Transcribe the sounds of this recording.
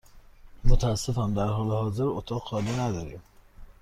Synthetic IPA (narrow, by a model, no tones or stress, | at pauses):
mot̪ʰææsːefænd̪æɾɦɒːlehɒːzeɾot̪ʰɒːɣxɒːlinæd̪ɒːɾḭm